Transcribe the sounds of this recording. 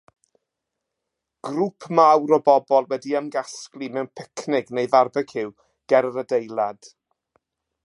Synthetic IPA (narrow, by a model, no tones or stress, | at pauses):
ɡ̥rupʰmawɾɔbɔbɔlˠwɛdiəmɡasklimɛwnpʰɪkʰnɪɡnejvarbɛkhɪw | ɡ̥ɛɾəɾədejlˠad̥